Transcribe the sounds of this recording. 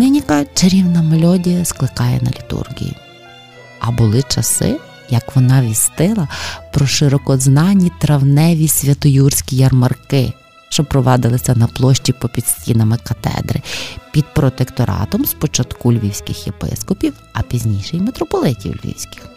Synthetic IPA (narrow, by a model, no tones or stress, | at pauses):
nɪnʲikɐt͡ʃeɾʲiwnɐmelʲɔdʲijɐsklˠɪkɑjɛ̰nɐ̰lʲit̪ṵrɡʲḭjḭ | ɐbʊlˠɪt͡ʃɐsɪ̰ | jɐkʋɔnɑʋʲisʲt̪ɪlˠɐpɾɔʃɪɾɔkɔznɑnʲːit̪ɾɐwnɛʋʲisʲʋʲɐt̪ɔjursʲkʲijɐrmɐrkɪ̰ | ʃt͡ʃɔpɾɔʋɑd̪ɪlˠɪsʲɐnɐplˠɔʃʲt͡ʃipɔpʲid̪̥sʲtʲinɐmɪkɐt̪ɛ̰d̪ɾɪ̰pʲid̪̚pɾɔt̪ekt̪ɔɾɑ̰t̪ɔmspɔt͡ʃɐt̪kulʲʋʲiwsʲkɪxjepɪ̰skɔpʲiw | ɐpʲizʲnʲijʃɛjmet̪ɾɔpɔlˠɪtʲḭwlʲʋʲḭwsʲkɪ̥x